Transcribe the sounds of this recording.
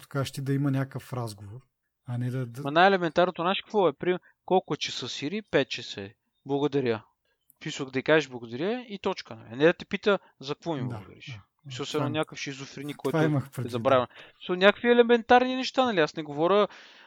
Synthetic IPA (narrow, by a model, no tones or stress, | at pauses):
t̪o̥kaʃt̪id̪ɐimɐnʲakəfɾazɡovoɾ | ɐnɛd̪ɐmɐnajɛlɛmɛnt̪aɾnot̪onaʃkvɔɛpɾimɛ | kɔlˠkʊɛt͡ʃɛsəsiɾipɛt̪̚t͡ʃɛsɛ | blˠɐɡʊd̪ɐɾʲə | smisvəkd̪ɐikaʒɛʒblˠɐɡʊd̪ɐɾʲjəit̪ɔt͡ʃkənɐ̰lḭɐnɛd̪ɐt̪ɛpit̪ə | zɐkvɔmiblɐɡʊ̰d̪ɐ̰ɾḭʃ | smisosɛɛnonʲjakəfʃiːzʊfɾinikɔjt̪iiməxpɾɛɛzɐbɾavʲnssmislnʲakə̥kviɛlɛmɛnt̪aɾninɛʃt̪anɐliasnɛɡovɔɾʲə